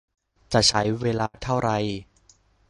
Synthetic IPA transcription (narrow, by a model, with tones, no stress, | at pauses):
t͡ɕa˨˩t͡ɕʰa˦˥jweː˧laː˧t̪ʰa˥˩wɾa˧˩j